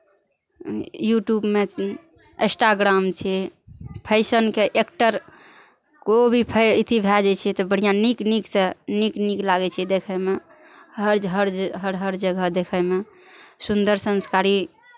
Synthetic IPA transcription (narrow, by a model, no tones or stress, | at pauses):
juʈjubme | ḛ̃sʈaɡɾamt͡ʃʰɛpʰəɪsənkeʔekʈəɾ | kobʱipʰəit̪ʰibʱɛd͡ʒɛt͡ʃʰɛt̪ɔbəɽ̤ijanikniksenikniklaɡɛt͡ʃʰɛd̪ekʰəme | ɦəɾd͡ʒɦəɾd͡ʒɦəɾɦəɾd͡ʒəɡʱəd̪ekʰəme | sund̪əɾsə̃nskaɾi